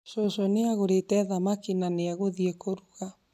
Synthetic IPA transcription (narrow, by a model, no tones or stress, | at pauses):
sosoneaɣoɾetɛðamakinaneaɣoðiekoɾuɣa